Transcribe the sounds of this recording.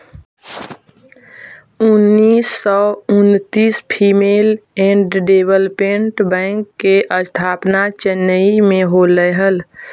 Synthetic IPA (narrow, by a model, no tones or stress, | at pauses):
unːiːsːɔʊnt̪iːspʰimelɛ̃ɳɖɖebəlpẽɳʈbɛ̃ŋkːeʔəst̪ʰaːpnat͡ʃənəimẽɦoləɦəl